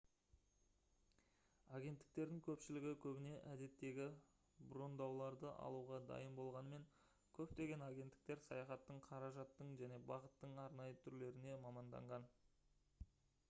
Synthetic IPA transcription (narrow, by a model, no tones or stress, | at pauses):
ɑɡʲe̞nt̪ːɪ̥k̚t̪e̞ɾd̪ɪŋkʲʰɵpʃɪlɪɡʲɪkʲʰɵbɪne̞ʔæd̪e̞t̪ːe̞ɡʲɪ | bro̞nd̪ɑwlˠɑɾd̪əʔɑ̰lˠuʁɑd̪ɑ̰jəmbo̞lˠʁɑnəme̞ŋ | kʲʰɵp̚t̪e̞ɡʲenɑɡʲe̞nt̪ːɪ̥k̚t̪e̞ɾsɑjɑχɑt̪ːəɴqʰɑɾɑʒɑt̪ːəɴʒæne̞bɑʁət̪ːəɴɑɾnɑjət̪ʰʏɾle̞ɾɪne̞mɑmɑnd̪ɑ̰ɴʁɑn